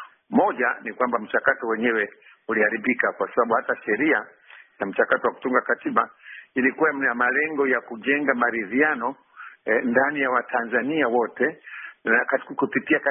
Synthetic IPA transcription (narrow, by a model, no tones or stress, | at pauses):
mɔʄa̰nikwambam̩t͡ʃakatɔwɛɲɛwɛ | ulihaɾiɓikakwasaɓaɓuhataʃɛɾia | jam̩t͡ʃakatɔwaku̥tuŋɡakatiɓailikuwamamalɛŋɡɔjakuʄɛŋɡamaɾiðianɔ | ndanijawatʰanzaniawɔtɛnakakupitiak